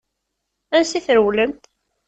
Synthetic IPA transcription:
ænsiθɾəwləmt̪

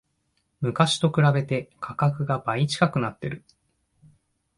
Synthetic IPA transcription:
mɯ̟kaɕi̥t̪o̞kɯ̟ɾabe̞t̪e̞kʰakakɯ̟ɡabait͡ɕi̥kakɯ̟nat̪ːe̞ɾɯ̟

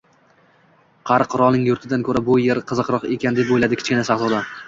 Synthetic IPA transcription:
qʰɑɾɨqɾɒlnɪŋjʊɾt̪ʰɪd̪ankʲʰɵɾabʊjeɾqʰɨzɨqɾɒqekʲʰand̪epojlad̪ɪkʰʲɪ̥t͡ʃkʲɪnasɑχzɒd̪a

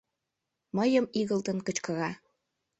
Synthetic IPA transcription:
məjəmiɣəlt̪ə̆nkət͡ɕkɤ̆ɣɑ

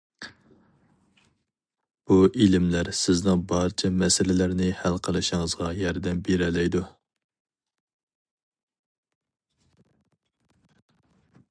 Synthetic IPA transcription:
b̥uʔilɪmlæɾsɪznɪŋbɑɾt͡ʃʰɛmɛsɪlɪlæɾnɪhælqʰəlˠɨʃɪŋəzʁɑjɑɾd̪ɛmbeɾɛlɛjd̪u

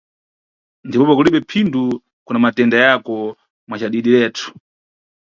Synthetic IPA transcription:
ndipɔpɔkuliɓɛpʰindu | kunamatɛndajakɔ | mwat͡ʃaɗiɗilɛːtʰu̥

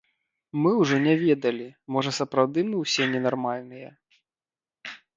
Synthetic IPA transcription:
mɨwʐɔnʲɛvʲɛd̪ɐlʲimɔʐɐsɐpɾawd̪ɨmɨwsʲɛnʲɛnarmalʲnɨjɐ̰

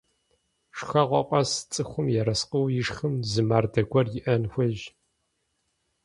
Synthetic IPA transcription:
ʂxɐʁʷɔ̰qʷʼɐst͡sʼɨxʷʊmjɛɾɐsqəwjɪʂxɨmzɨmaːrdɐɡʷɐrjɪʔɐnxʷɐʒ

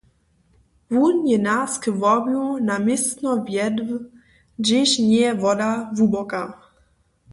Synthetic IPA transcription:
vunjɛnaskəvɔmjunamɪst̪nɔvjɛd̪v | d͡ʑɪɕɲɛjɛvɔd̪avubɔka

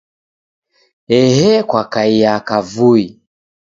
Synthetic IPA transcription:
ɛɦɛkwakaijakavui

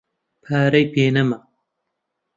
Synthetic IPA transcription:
pʰaːɾɐjpeːnɐmɐ

